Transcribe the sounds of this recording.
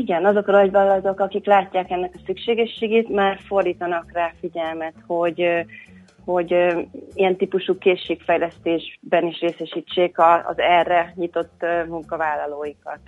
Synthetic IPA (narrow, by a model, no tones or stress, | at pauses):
iɡɛnɒzo̞kɒnɒɟbɒlɒd̪o̞kɒkiklaːcːaːkɛnːɛkɒsykʃeːɡɛʃːeːɡeːt̪maːrfo̞rd̪iːt̪ɒnɒkraːfiɟɛlmɛt̪ho̞ɟ | ho̞ɟijɛnt̪iːpuʃuːkeːʃːeːkfɛjlɛst̪eːʒbɛniʃreːsɛʃiːt͡ʃːeːkɒ̰ːzɛrːɛɲit̪o̞t̪ːmuŋkɒvaːlːɒloːjikɒ̰t̪